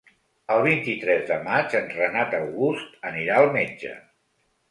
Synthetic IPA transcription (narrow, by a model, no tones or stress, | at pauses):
əlˠβ̞int̪it̪ɾɛzðəmat͡ʃənrənat̪əwɣust̪əniɾaəlˠmed͡ʒə̰